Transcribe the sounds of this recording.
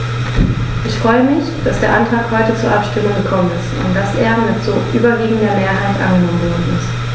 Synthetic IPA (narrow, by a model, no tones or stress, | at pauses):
ʔɪçfʁ̥ɔʏəmɪçd̥asd̥eːɐʔantʁ̥aːkhɔʏtət͡suːɐʔapʃtɪmʊŋɡəkʰɔmənɪstʊ̰ntd̥asʔeːɐmɪtz̥oːʔy̰ːbɐviːɡŋ̩dɐmeːɐɦaɪtʔa̰nɡənɔmənvɔːdn̩ɪst